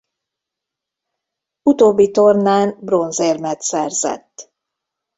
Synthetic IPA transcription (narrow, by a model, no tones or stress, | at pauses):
ut̪oːbːit̪ornaːnbro̞nzeːrmɛt̪sɛrz̥ɛ̰t̪ː